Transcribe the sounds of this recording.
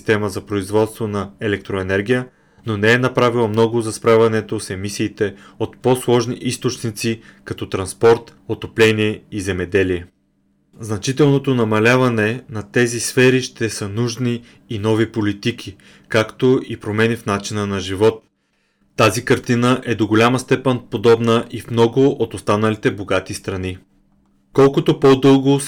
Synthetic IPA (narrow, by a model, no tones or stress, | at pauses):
st̪ɛməzɐpɾoizvɔt̪st̪vonɐɛlɛk̚t̪ɾoɛnɛɾɡ̟ʲijə | nonɛɛnɐpɾavilˠɐmnɔɡʊzɐspɾavɐnɛt̪osɛmisiːt̪ɛ | ot̪poslˠɔʒniʔist̪ot͡ʃnit̪sikɐt̪ɔt̪ɾɐnspɔɾt̪ | ot̪oplɛniɛizɛmɛd̪ɛliɛ | znɐt͡ʃit̪ɛlˠnot̪onɐmɐlʲavɐnɛnɐt̪ɛzisfɛɾiʃt̪ɛsənuʒniː | nɔvipolit̪ik̟ʰi | kakt̪oʔipɾomɛnifnat͡ʃinənɐʒivɔt̪ː | azikɐɾt̪inəʔɛd̪oɡolʲamɐst̪ɛpɛnpod̪ɔbnəʔifmnɔɡʊʔot̪ost̪anɐlit̪ɛboɡat̪ist̪ɾɐni | kɔlˠkot̪opod̪ɤlˠɡo